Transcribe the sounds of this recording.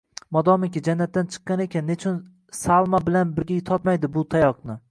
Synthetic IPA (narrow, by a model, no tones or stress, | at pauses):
mɒd̪ɒmɪkʲɪd͡ʒanːat̪ːant͡ʃʰɨ̥qːɑnekʲʰanːet͡ʃʰɪn | salˠmabɪlanbɪɾɡʲajt̪ʰɒt̪majd̪ɪbʊt̪ʰajɒqnɪ